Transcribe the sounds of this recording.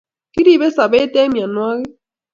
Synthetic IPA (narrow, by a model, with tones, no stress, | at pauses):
ki˦ɾi˦˨βɛ˦sa˨βɛ˦tɛ˦mja˨nwa˦ɣɛ˦